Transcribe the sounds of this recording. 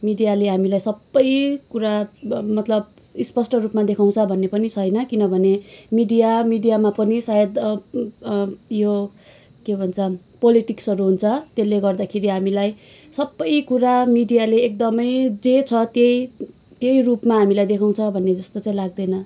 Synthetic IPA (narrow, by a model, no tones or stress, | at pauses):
miɖijaleɦamilajsʌbːʌjkuɾamʌt̪lʌb | ispʌsʈʌrupmad̪ekʰaw̃t͡sʰʌbʱʌnːepʌnit͡sʰʌjnʌkinʌbʱʌnemiɖijamiɖijamapʌnisajed̪ | jo | kebʱʌnt͡sʰʌ | poliʈiksʌɾuɦunt͡sʰʌt̪elːeɡʌrd̪akʰeɾiɦamilaj | sʌbːʌjkuɾamiɖijaleːk̚d̪ʌmʌjd͡zet͡sʰʌt̪jej | t̪jejrupmaɦamilajd̪ekʰaw̃t͡sʰʌbʱʌnːed͡zʌst̪ot͡sãĩlaɡ̚d̪ʌjnʌ